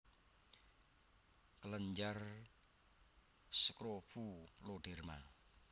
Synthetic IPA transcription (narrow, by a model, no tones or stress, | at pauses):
kələɲd͡ʒar | səkɾopuloɖ̥ɛrma̰